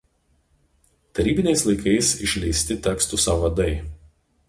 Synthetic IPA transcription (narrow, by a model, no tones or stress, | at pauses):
t̪ɐɾʲiːbʲɪnʲɛɪslˠɐɪkɐɪsɪʃʲlʲɛɪsʲt̪ʲɪt̪ʲɛkst̪usɑʋɐd̪ɐɪ